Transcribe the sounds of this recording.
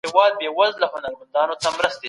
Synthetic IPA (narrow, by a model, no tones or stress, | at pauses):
ewɑd̪̚bewazlaɦʊnaɾmand̪ɑnot̪amɾəst̪e